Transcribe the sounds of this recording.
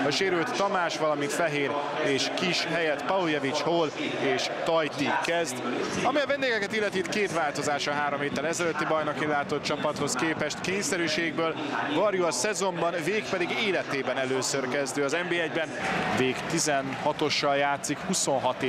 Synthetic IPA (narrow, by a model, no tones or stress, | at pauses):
ɒʃeːɾylt̪ːɒmaːʃʋɒlɒmint̪fɛɦeːɾ | eːʃkiʃɦɛjɛt̪pɒujɛvit͡ʃholeːʃt̪ɒjt̪ikɛzd̪ɒmiɒvɛnd̪eːɡɛkɛt̪ilːɛt̪it̪keːt̪vaːlt̪o̞zaːʃɒɦaːɾo̞mheːt̪ːɛlɛzɛløt̪ːibɒjnokinlaːt̪o̞t̪̚t͡ʃɒpɒt̪ho̞skeːpɛʃt̪keːɲsɛɾyːʃeːɡ̚bøːl | vɒɾjuɒsɛzo̞mbɒnveːk̚pɛd̪iɡeːlɛt̪eːbɛnɛløːsørkɛzd̪øːɒzɛmbeːɛɟbɛnveːkt̪izɛnhɒt̪o̞ʃːɒljaːt̪sikhuso̞nɦɒt̪ː